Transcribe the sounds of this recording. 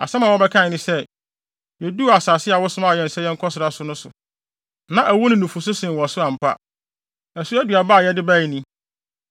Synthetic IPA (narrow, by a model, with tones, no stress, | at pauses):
a̰˨sɛ˦mã˨wɔ˦bɛ˦kʰã˦˨˦nɪ̃˦sɛ˦ | jɛ˨du˦˨a˨saː˨sɪ˦a˨wɔ˦sʊ˦mã˦˨jɛ˨n̩˨˦sɛ˦jɛ˦ŋ̩˦kʰɔ˦sɪ˨ɾa˦sʊ˨nʊ̃˦sʊ˨ | nã˨ʔæ˨wʊ˦nɪ̃˨nũ˨fu˨sʊ˦sɪ̃˨wɔ˨sʊ˦a˨m̩˨pʰa̰˦ | æ˨su˦æ˦dɥa˨baː˦˨jɛ˦dɪ˦bæ˦˨nĩ˦